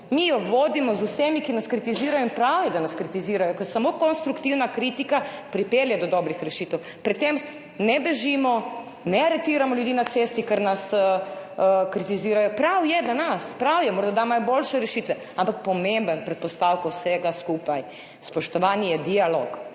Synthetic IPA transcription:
mijɔʋoːd̪imɔzusemikinaskɾit̪iziːɾajoinpɾawjɛd̪anaskɾit̪iziːɾajɔkɔjsamoːkɔnst̪ɾukt̪iwnakɾit̪ikapɾipeːljad̪ɔd̪ɔbɾixɾɛʃiːt̪ɛw | pɾɛt̪ːem | nɛbɛʒimɔ | nɛaɾɛt̪iːɾamɔljud̪iːnat̪sest̪ikɛɾnasəəkɾit̪iziːɾajɔpɾawjɛd̪anaspɾawjɛmoːɾd̪ad̪amajɔbolʃɛɾɛʃit̪ʋɛ | ampak̚pɔmembənpɾɛt̪̚pɔst̪awkawsɛɡaskuːpaj | spɔʃt̪ɔʋaːnijɛd̪ialoːk

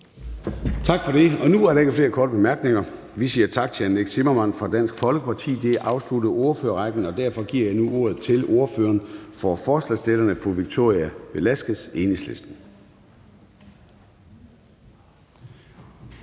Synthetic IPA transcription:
t͡sʰɑ̈ɡ̥fɒ̽ɾ̥e̝ɒ̽nuæɐɾɑ̈e̝ɡ̥əfle̝ːɐkʰɒːɾ̥əb̥emæɐɡ̥ne̝ŋɐ | ʋisiːɐt͡sʰɑ̈ɡ̥̚t͡sʰeæneɡ̥semɐmænfʁɑ̈d̥æn̰sɡ̥fɒ̽lɡ̥əpʰɑ̈t͡sʰḭːd̥e̝ʔɑ̈ʊslud̥əð̩ˠo̝ɐføːɐʁɑ̈ɡ̥n̩ɒ̽d̥æɐfɒ̽ɡ̥iɐ̰jɑ̈ɪnuʔo̝ɐ̰ð̞̩ˠt͡sʰe̝lo̝ɐføːɐnfɒfɒːslɛ̰sd̥elɐnəfoʋiɡ̥̚t͡sʰo̝̰ːʁiæb̥e̝læsɡ̥əse̝ːne̝ŋsle̝sd̥n̩

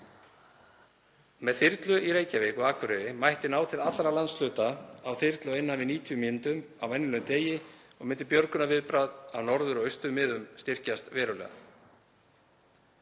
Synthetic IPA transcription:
mɛðθɪɾt̪lʏʔiɾeːjcavɛːkʏaːkʰvʏɾɪðɪmajht̪ɪnaːwt̪ʰɪlat̪lɾalant̪slʏːt̪aawθɪɾt̪lʏɪjnːanvɪniːt̪ʰijʏmɪnt̪ʏm | awɛjnːɪlœmt̪eːjɪ | ɔɣmɪnt̪ɪpjœɾkʏnavɪðpɾaðawnɔɾðʏɾɔɣœɥst̪ʏmɪːðʏmst̪ɪr̥cast̪vɛːɾʏwlɛ̰ːɣa̰

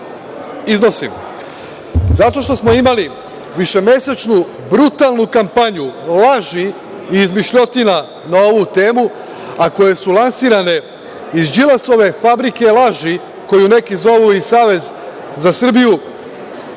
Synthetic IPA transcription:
izno̞sim | zat̪o̞ʃt̪o̞smo̞imali | ʋiʃe̞mje̞set͡ʃnu | bɾut̪alˠnukampaɲulaʒi | iːzmiʃʎot̪ina | nao̞ʋut̪e̞ːmu | ako̞je̞sulˠansiːɾane̞ | izd͡ʒilaso̞ʋe̞fabɾike̞laʒi | ko̞june̞kizo̞ʋuisaːʋe̞z | zasr̩biju

